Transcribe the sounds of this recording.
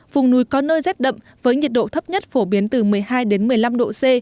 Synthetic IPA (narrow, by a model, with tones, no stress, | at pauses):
vʊ˨˩wŋ͡mnu˨˦jkɔ˨˦nəː˧jzɛː˦˥t̚ɗə̰˧˨ŋ͡m | vəː˨˦jɲi˨˩t̚ɗo̰˧˨t̪ʰə˦˥p̚ɲə˦˥t̚fo˧˩ɓi˨˦ənt̪ɨ˨˩mɨ˨˩əjhaː˧jɗe˨˦nmɨ˨˩əjla˧mɗo̰˧˨se˧